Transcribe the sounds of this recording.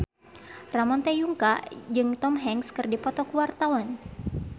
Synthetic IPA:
ramɔnt̪ɛjuŋka̰d͡ʒɨŋt̪ɔmɦɛŋskɨrdipɔt̪ɔkuwart̪awan

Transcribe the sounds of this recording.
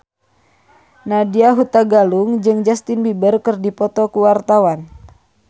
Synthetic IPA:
nadiaɦut̪aɡaluŋd͡ʒɨŋd͡ʒast̪inbibərkərdipɔt̪ɔkuwart̪awan

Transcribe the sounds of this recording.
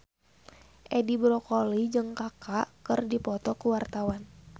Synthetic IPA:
ʔɛdibɾɔkolid͡ʒɨŋkakakɨrdipɔt̪ɔkuwart̪awan

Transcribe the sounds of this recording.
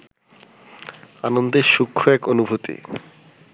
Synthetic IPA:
anond̪eɾʃukʰːoɛkonubʱut̪ḭ

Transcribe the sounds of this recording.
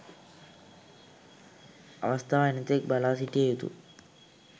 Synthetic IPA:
ə̰ʋəst̪ʰaʋajnət̪ek̚balasiʈiajut̪ṵ

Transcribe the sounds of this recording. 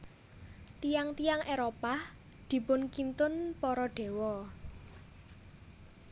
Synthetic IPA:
t̪ijaŋt̪ijaŋʔeɾopah | d̪̥i̤pʊnkint̪ʊnpɔɾɔɖ̪̥e̤wɔ

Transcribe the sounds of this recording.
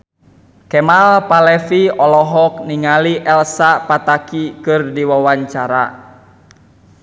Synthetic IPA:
kɛmalpalɛfiɔlɔɦɔk̚niŋaliʔɛlsapat̪akikɨrdiwawaɲt͡ʃaɾa̰

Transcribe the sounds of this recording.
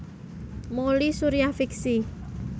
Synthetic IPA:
molisuɾiafiksi

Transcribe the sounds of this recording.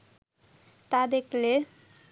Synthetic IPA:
t̪ad̪ekʰle

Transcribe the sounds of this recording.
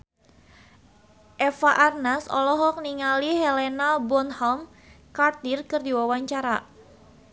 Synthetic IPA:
ʔɛfaʔarnasɔ̰lɔɦɔk̚niŋalihɛlɛnalbɔnhɔm | kart̪irkɨrdiwawaɲt͡ʃaɾa̰

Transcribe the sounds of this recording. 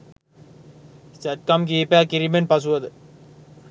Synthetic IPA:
sɛʈ̚kɐmk̬iːpaːkɪɾimenpɐs̬ɯʋɐðɯ

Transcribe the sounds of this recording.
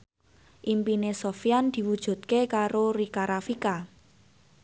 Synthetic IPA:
ʔimpinesofjand̪̥i̤wud̥ʒ̥ṳt̪̚kekaɾorikaɾʔafika

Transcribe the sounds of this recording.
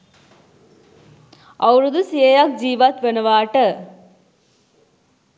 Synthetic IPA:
ɐwɾud̪usijejak̚d͡ʒiːʋɐt̪ʋenɐʋaːʈə

